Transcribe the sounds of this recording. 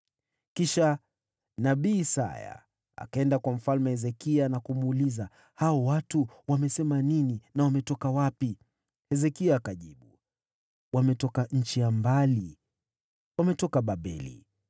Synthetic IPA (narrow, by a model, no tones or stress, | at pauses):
kiʃa | naɓiːsa̰ja̰ | a̰kaɛndakwam̩falmɛhɛzɛkianakumuːliza | haɔwatuwamɛsɛmanininawamɛtɔkawapi | hɛzɛkiaːkaʄiɓu | wamɛtɔkaɲ̩t͡ʃijambali | wamɛtɔkaɓaɓɛ̰lḭ